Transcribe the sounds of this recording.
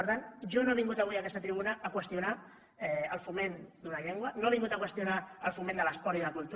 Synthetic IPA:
əɾt̪anʒonoβiŋɡut̪əβwiəkɛst̪ət̪ɾiβunəːkwəst̪juna | ɛəlˠfumend̪unɐʎeŋɡwənoβiŋɡut̪əkwəst̪junaəlˠfumẽnd̪ələspɔɾiðələkulˠt̪

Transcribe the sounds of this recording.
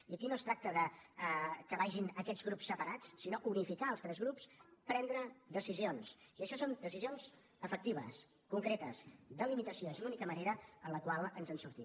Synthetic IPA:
iəkinoəst̪ɾak̚t̪əðə | kəβaʒinəkɛd͡zɣɾupsːəpəɾat͡ssinoʔunifikaəlˠst̪ɾɛzɣɾupspɾɛnd̪ɾəd̪əsizionsiəʃɔsond̪əsizionz | əfək̚t̪iβ̞ə̰s | kuŋkɾet̪əsd̪əlimit̪əsioezlunikəməneɾəənləkwalˠənzənsuɾt̪i

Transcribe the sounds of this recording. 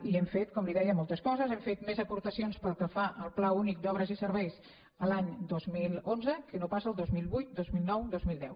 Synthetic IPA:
iɛmfet̪kɔmliðɛjəmolˠt̪əskɔzəzɛmfet̪mezəpuɾt̪əsionspəlˠkəfaʔəlˠplaunik̚d̪ɔβɾəzisəɾβɛjs | əlaɲd̪ozmilˠonzəkənopasəːlˠd̪ozmilˠβujt̪̚d̪ozmilˠnɔwd̪ozmilˠd̪ɛw

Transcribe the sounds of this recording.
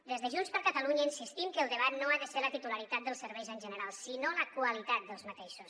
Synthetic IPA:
d̪ezðəʒunspəɾkət̪əluɲəinsist̪imkəlˠd̪əβat̪noaðəseɾlət̪it̪uləɾit̪at̪̚d̪əlˠsəɾβɛjzənʲʒənəɾalˠsinoləkwəlit̪at̪̚d̪əlˠzmət̪eʃus

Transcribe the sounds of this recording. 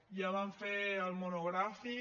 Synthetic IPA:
jaβaɱfeəlmonoɣɾafi

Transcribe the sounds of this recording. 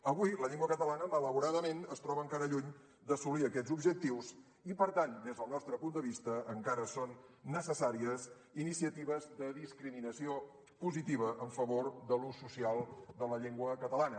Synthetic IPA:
əβujləʎeŋɡwəkət̪əlanəmələβuɾaðəmenəst̪ɾɔβəːŋkaɾəʎuɲ | d̪əsuliəkɛzubʒək̚t̪iws | ipəɾt̪and̪ezðəlˠnɔst̪ɾəpund̪əβist̪əʔːŋkaɾəsonːəsəsaɾiəs | inisiət̪iβəzðəðiskɾiminəsio | puzit̪iβ̞əʔəɱfəβoɾd̪əlusːusialˠd̪ələʎeŋɡwəkət̪əlanə

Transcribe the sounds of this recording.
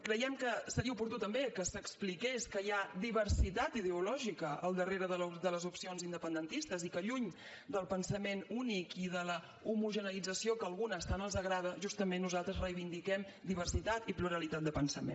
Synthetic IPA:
kɾəjɛmkəsəɾiəupuɾt̪ut̪əmbekəsəksplikeskəjad̪iβərsit̪at̪iðəulɔʒikəəlˠd̪əreɾəðəd̪ələzupsionzind̪əpənd̪ənt̪ist̪əzikəʎuɲ | d̪əlˠpənsəmenunikiðələ | umuʒənəlid͡zəsiokəːlˠɣunəːst̪anəlˠzəɣɾað̞əʒust̪əmenːuzalˠt̪ɾəzrəjβind̪ikɛm | d̪iβ̞ərsit̪at̪ipluɾəlit̪at̪̚d̪əpənsəmḛn

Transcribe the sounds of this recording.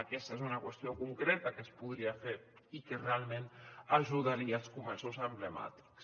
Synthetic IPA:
akɛst̪aezunakwəst̪iokuŋkɾet̪akespuðɾiafeɾ | ikerealˠmẽnaʒuðaɾialˠskumɛsuzəmblema̰t̪i̥ks

